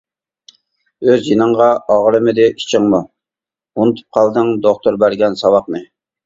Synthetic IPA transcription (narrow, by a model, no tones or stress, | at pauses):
øzjinəɴʁɑʔɑʁɾɨmɪd̪ɪʔi̥t͡ʃʰɪŋmu | unt̪ʰu̥p̚qʰɑlˠd̪ɨŋd̪oχt̪uɾbæɾɡʲɛnsɑwɑqnɨ